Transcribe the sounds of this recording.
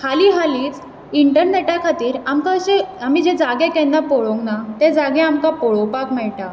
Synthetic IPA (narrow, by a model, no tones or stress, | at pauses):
kʰaliːɦaliːt͡s | iɳʈəɾneʈakʰat̪iːɾamkaɕeamid͡ʑẽd͡zaɡẽkɛnːapoɭoŋɡnat̪ɛ̃d͡zaɡɛ̃amkapoɭopakmɛɭʈa